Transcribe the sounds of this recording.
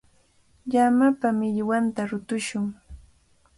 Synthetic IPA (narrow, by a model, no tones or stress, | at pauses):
ʎamapamɪʎwant̪aɾʊt̪ʊʃʊŋ